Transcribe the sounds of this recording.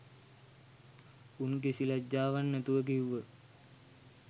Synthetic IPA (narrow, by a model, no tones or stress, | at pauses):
unk̬esilad͡ʒːaːʋanːæt̪uʋək̬iwʋʋə